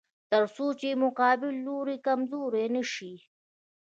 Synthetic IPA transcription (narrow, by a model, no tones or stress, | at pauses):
t̪əɾsoːt͡ʃemʊqɑːbɪlːoɾikɐmzoːɾenəʃi